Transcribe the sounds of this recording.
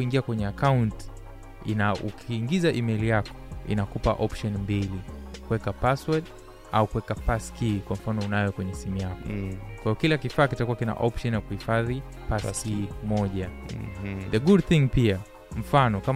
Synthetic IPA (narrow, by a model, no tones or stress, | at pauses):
kuiŋɡiakwɛɲɛakawnt | ḭnaukʰiːŋɡizaʔimɛjlijakɔ̥ḭnakupa̰ʔɔpʃɔnmbilikuwɛkapaswat | aukuwɛkapaskikwam̩fanɔunajɔkwɛɲɛsimujakɔkwaijɔkilakifaːkitakuwakina̰ʔɔpʃɔnjakuhifaði | pasimɔʄa | ðəɡud̚θĩŋpia | m̩fanɔkam